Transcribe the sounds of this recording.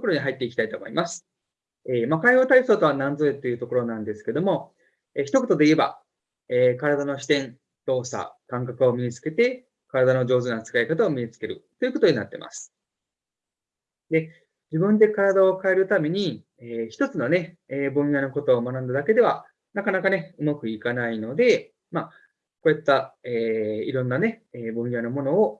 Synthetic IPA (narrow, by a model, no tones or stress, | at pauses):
okoɾo̞ɲ̟iɦait̪ːe̞iki̥t̪ait̪oːmo̞̰imasɨ̥ | eːmakaiho̞ːt̪aiso̞ːt̪o̞βanãnd͡zoet̪ːo̞jɯ̟t̪o̞ko̞ɾo̞nãnd̪e̞sɨ̥ke̞d̪omo̞ | eçi̥t̪o̞ko̞t̪o̞d̪e̞ie̞ba̰ | eːkaɾad̪ano̞ɕi̥t̪ẽ̞n | t̪o̞ːsa̰kãŋkakɯ̟o̞mʲiɲit͡sɨ̥ke̞t̪e̞ | kaɾad̪ano̞ʑo̞ːzɨnat͡sɨ̥kaikat̪ao̞mʲiɲ̟it͡sɨ̥ke̞ɾɯ̟t̪ːo̞jiɯ̟ko̞t̪o̞ɲ̟ina̰t̪ːe̞̰mʔa̰sɨ̥ | d̪e̞ | d͡ʑibɯ̟̃nd̪e̞kaɾad̪ao̞kae̞ɾɯ̟t̪ame̞ɲ̟i | eːçi̥t̪o̞t͡sɨno̞ne̞ | eːbɯ̃ɰ̃jano̞ko̞t̪oːmanãnd̪ad̪ake̞d̪e̞β̞a | nakanakane̞ɯ̟makɯ̟ikanaino̞d̪e̞ | ma | ko̞ːjat̪ːaeːiɾõ̞nːane̞eːbõɰ̃janomo̞no̞o